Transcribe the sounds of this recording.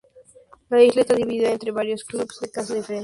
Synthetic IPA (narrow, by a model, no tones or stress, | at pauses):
laizlaest̪aðiβiðiðaent̪ɾe̞βaɾjosklubz̥ðekasaðifeɾen